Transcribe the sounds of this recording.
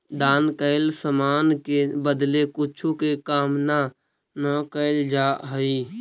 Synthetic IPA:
d̪aːnkəɪlsəmaːnkebəd̪lekʊt͡ʃʰukekaːmna | nəkəɪld͡ʒaɦəi

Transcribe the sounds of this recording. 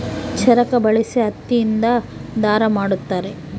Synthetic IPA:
t͡ʃʰɐɾɐkɐbɐɭisiɦɐt̪ːijind̪ɐd̪aːɾɐmaːɽut̪ːaːɾe

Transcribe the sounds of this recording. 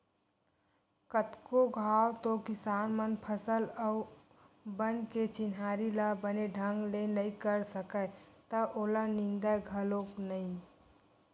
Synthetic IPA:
kət̪koɡʱawt̪okɪsanmənpʰəsələʊ | bənket͡ʃɪnɦaɾilabəneɖʱəŋɡlenəikəɾsəkət̪əʔolənɪnd̪əjɡʱəloknəĩ

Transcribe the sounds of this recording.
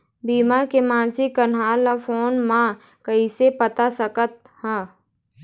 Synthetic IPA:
biːmakemãːnsiənaːlafoːnmã | kəisepət̪asəkət̪̚hɛ̃ː

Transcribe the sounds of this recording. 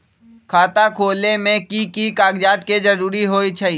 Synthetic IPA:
kʰaːt̪akʰoːlemẽkikikaːɡd͡ʒaːd̪ked͡ʒɐɾuːɾiɦoːit͡ʃʰɐiː

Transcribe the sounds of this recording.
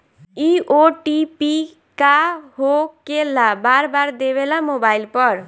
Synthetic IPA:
ioʈipi | kaɦokelabaɾbaɾd̪eβelamobailpɔɾ

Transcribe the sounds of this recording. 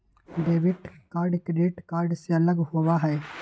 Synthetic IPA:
ɖeːʋɪʈkaːɾɖkɖeːʈkaːɾɖseələɡɦoːʋaɦɛː

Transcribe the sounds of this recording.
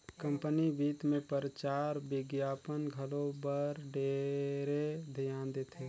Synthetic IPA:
kə̃mpənibiːt̪mẽpəɾət͡ʃaːɾbɪɡjaːpənɡʱəlobəɾɖeːɾed̪ʱijãːnd̪et̪ʰeː

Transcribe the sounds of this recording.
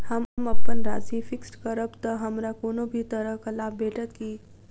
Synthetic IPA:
həmməpːənɾa̰sifiksʈkəɾəbt̪əɦəmɾakonobʱiːt̪əɾəkəlabeʈət̪ki

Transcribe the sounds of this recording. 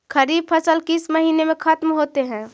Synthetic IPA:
kʰəɾiːb̚pʰəsəlkɪsməɦiːnemẽkʰɐt̪mɦoːt̪eɦɛ̃ː

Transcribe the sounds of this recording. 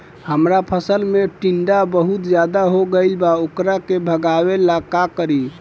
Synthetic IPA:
həmɾapʰəsəlmeʈiɳɖabəɦut̪d͡ʒjad̪aɦoɡəlbaokɾakebʱəɡaβelakakəɾi

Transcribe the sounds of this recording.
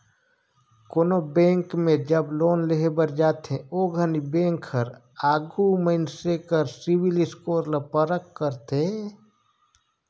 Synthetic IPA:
koːnobẽːŋkmẽd͡ʒəbloːnleɦebəɾd͡ʒaːt̪ẽoːɡʱənibẽːŋkʰːəɾ | aːɡuməɪnsekəɾsiwilɪskoːɾlapəɾəkːəɾt̪e

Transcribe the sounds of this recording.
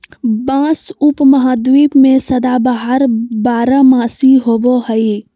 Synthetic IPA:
bãːsʊpməɦaːd̪wiːpmẽsəd̪abaɦəɾbaːɾəmãːsiɦoːboɦəi

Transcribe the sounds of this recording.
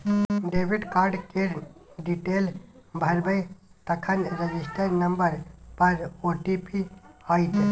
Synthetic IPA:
ɖeːbɪɖkaːɾɖkeɾɖiʈeːlbʱɐɾbəjt̪ɐkʰənɾəd͡ʒɪsʈəɾnɐmbəɾpɐɾoːʈipiait̪

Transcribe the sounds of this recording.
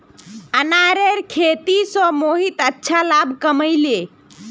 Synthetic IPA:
ənaɾeɾkʰet̪isə̃moɦit̪ətːʃʰalabkəməjle

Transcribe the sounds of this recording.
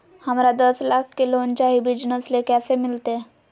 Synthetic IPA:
hamɾad̪əslak̚ʰkːilont͡ɕaɦibid͡ʑnəslekasemilt̪e

